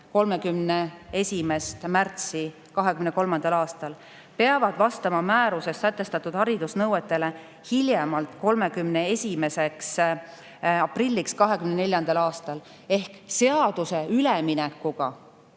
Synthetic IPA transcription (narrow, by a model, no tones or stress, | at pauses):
ko̞lme̞kymnee̞sʲime̞st̪mært̪si | kɑɦekymneko̞lmɑnd̪̥ɑlɑːst̪ɑl | pe̞ɑvɑd̪vɑst̪ɑmɑmæːɾuse̞sːæt̪ːˑe̞st̪ɑt̪ːˑud̪̥hɑɾid̪usnɤwet̪ːˑe̞le̞ | hiljemɑlt̪ko̞lme̞kymnee̞sʲime̞se̞ks | ɑprilʲːikskɑɦe̞kymnene̞lʲjɑnd̪̥ɑlɑːst̪ɑl | e̞hkse̞ɑd̪̥use̞yleminɛkːuɡ̥ɑ